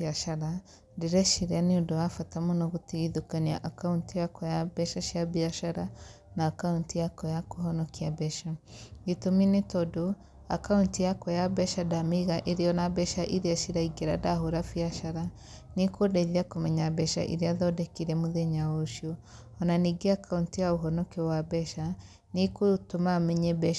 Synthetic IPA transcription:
aʃaɾa | diɾɛʃiɾaniundoafatamonɔɣutiɣiðukaniaʔakauntijakɔjabɛʃaʃiabiaʃaɾa | naːkauntijakɔjakoɦɔnɔkiabɛʃaitominetɔdo | a̰kauntijakɔjabɛʃadamiɣaʔeɾijɔnabɛʃaʔiɾiaʃiɾaiɡeɾa̰daɦoɾafiaʃaɾa | nikodɛðiakomɛɲabɛʃa̰ʔḭɾiaðɔdɛkiɾɛmuðeɲawoʃjɔ | ɔnaniɡeakauntijaoɦɔnɔkɛwabɛʃa | nikotomamɛɲɛbɛ

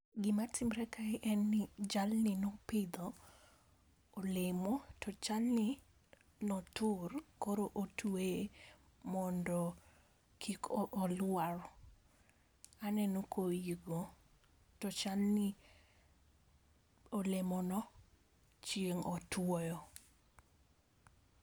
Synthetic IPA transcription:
ɡɪmatɪmɾɛkaɪʔɛnːɪd͡ʒalnɪnopɪd̪ɔ | lemɔtɔt͡ʃalnɪ | nɔtʊrkoɾoʔotʰwe | mɔndɔ | kʰikʔɔlwaɾɔ | anɛnokojiɡo | tɔt͡ʃalnɪ | olemɔnɔ | t͡ʃjeŋɔtwɔjɔ

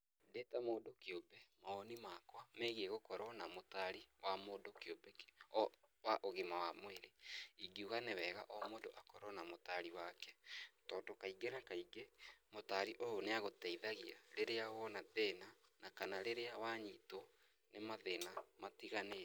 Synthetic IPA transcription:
detamoːdokeobɛmaɔnimakwameɣieɣokɔɾɔnamotaɾiwamoːdokeobɛɔwaʔoɣemawamoeɾeiɡiuɣanewɛːɣa̰ʔɔmoːndoʔakɔɾɔnamotaɾiwakɛtɔːdokaiɡenakaiɡemotaɾiʔojoneaɣotɛiðaɣiaɾeɾeawɔnaðenanakanaɾeɾeawaɲiːto | nemaðenamatiɣane

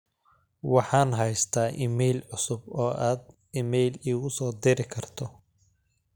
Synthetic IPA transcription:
wɑħɑːnɦɛjst̪ʰaːʔimɛjlʕʊsʊbɔːʔaːd̪ | imɛjliːɣʊsɔːd̪ɪɾɪkʰɐrt̪ʰɔ

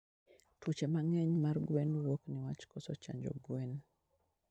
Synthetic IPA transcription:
tut͡ʃemaŋɛɲmarɡwɛnɾokniwat͡ʃkɔsɔt͡ʃa̰ɲd͡ʒo̰ɡwen

